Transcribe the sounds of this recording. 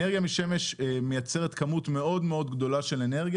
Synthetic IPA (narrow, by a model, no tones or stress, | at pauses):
eʁɡjamiʃe̞me̞ʃme̞jat͡se̞ʁet̪kɐmutme̞o̞dme̞o̞dɡdo̞laʃe̞le̞ne̞ʁɡj